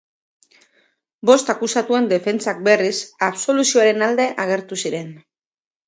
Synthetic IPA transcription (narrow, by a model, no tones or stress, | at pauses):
bo̞st̪akusat̪ue̞nd̪e̞fe̞nt͡sak̚be̞risaβso̞lusio̞aɾe̞nald̪e̞ʔaɣ̞e̞ɾt̪usiɾe̞n